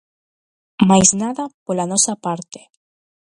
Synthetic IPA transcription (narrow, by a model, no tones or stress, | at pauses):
majznaðapolanɔsapaɾt̪e̥